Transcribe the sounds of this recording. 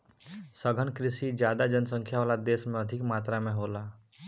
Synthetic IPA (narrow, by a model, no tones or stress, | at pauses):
səɡʱənkɾɪsid͡ʒjad̪ad͡ʒənsə̃ŋkʰjaʋaːlad̪eːsmẽəd̪ʱɪkmaːt̪ɾamẽɦola